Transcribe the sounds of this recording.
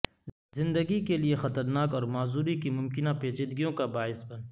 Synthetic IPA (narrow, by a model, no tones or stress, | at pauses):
zɪ̃nd̪əɡikeliexɐt̪əɾnaːkɔːɾmaːzuːɾikimʊmkɪnapeːt͡ʃɪd̪ɡijõkabaːɪsbɐn